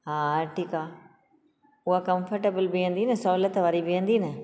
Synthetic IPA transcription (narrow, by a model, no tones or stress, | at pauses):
ɦaːʈʰiːkaː | ʊɦakɐ̃mfəɾʈebəlbɪə̃nd̪inɐsɔːlət̪ʋaːɾibɪə̃nd̪inə